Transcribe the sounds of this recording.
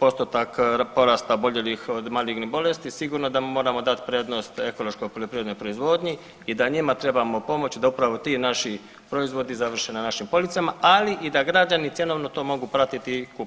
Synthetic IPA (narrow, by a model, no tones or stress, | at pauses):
po̞st̪ot̪akpo̞ɾast̪aobo̞ʎelixod̪maliɡnibo̞le̞st̪isiɡuɾno̞d̪amo̞ːɾamo̞d̪at̪pɾeːd̪no̞st̪e̞ko̞lˠo̞ʃko̞jpoʎopɾiʋed̪nojpɾo̞izʋo̞ːd̪ɲi | id̪aɲimat̪ɾe̞bamo̞po̞mo̞t͡ɕd̪aupɾaʋo̞t̪iːnaʃi | pɾo̞izʋo̞d̪izaʋr̩ʃenanaʃimpo̞lit̪samaʔaliʔid̪aɡɾad͡ʑanit̪je̞no̞ʋnot̪oːmo̞ɡupɾat̪it̪iku